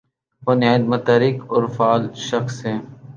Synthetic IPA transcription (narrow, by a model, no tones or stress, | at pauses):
bʊnjaːd̪mɐt̪aɾɪkɔːɾfaːlʃɐxsɦɛː